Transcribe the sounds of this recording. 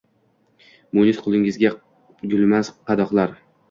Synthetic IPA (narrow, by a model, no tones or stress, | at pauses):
mʊnɪsqʰʊlˠɪŋɪzɡʲa | ɡʲʊlmazqʰɑd̪ɒqlˠaɾ